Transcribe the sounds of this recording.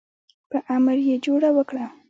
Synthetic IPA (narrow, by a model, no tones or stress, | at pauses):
pəʔamɾjed͡ʒoɽawəkɽa